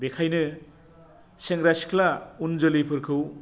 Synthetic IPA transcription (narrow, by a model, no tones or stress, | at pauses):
bekʰajnɯ | seŋɾasi̥kʰlaund͡ʒɯlipʰɯɾkʰɯw